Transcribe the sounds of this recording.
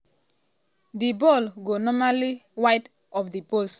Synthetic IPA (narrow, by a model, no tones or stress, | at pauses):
dibɔlɡonɔmaliwaɪt | ɔfdipos